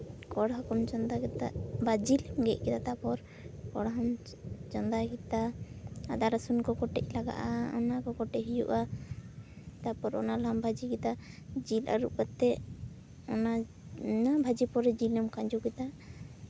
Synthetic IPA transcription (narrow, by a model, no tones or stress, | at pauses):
kɔɽɦɔkɔmt͡ʃɔnd̪akɛt̪a̰ʔbad͡ʒilmɡɛ̰ʔ̚kɛt̪at̪apɔɾ | kɔɽɦɔm | t͡ʃɔnd̪akit̪aad̪aɾasunkɔkɔʈɛc̚laɡa̰ʔaɔ̰nakɔkɔʈɛɦijuʔa | t̪apɔɾɔ̰nalɔmbʱad͡ʒikɛt̪ad͡ʒila̰ɾuʔkat̪ːɛ | ɔna | nabʱad͡ʒipɔɾɛd͡ʒilɔmkad͡ʒukɛt̪a